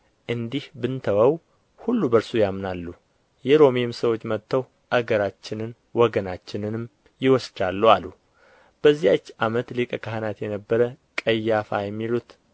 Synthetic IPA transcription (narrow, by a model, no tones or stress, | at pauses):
ʔɨnd̪ihbɨnt̪ʰəwəw | hulːubəɾsujamnalːu | jɛɾo̞mijemsəwo̞t͡ʃːmət̪ːəw | ʔaɡəɾat͡ʃːɪnɨn | wɔɡənat͡ʃːɪnɨnɨm | jɪwɔsd͡ʒalːualu | b̥əzːijat͡ʃːamət̪lɨkʼəkʰahɨnat̪jɛnəbːəɾə | kʼəjːafa̰jɛmːilut̪